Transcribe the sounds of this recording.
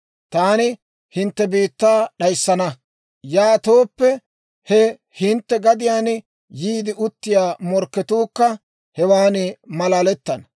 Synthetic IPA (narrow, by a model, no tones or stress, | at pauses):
t̪aːnɪ | hɪnt̪ːɛbiːt̪ːaːɗɐjsːɐnɐ | jaːt̪oːpːɛ | hɛ | hɪnt̪ːɛɡɐd̪ɪjaːn | jiːd̪ɪʔʊt̪ːɪjaːmɔɾkːɛt̪uːkːɐ | hɛwaːnɪmɐlaːlɛt̪ːɐnɐ